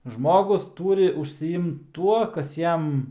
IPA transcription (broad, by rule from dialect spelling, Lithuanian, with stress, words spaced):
ˈʒmoːɡʊs ˈtuːrʲɪ ʊʃʲsʲɪˈɪmt ˈtuɔ ˈkɐs ˈjɛm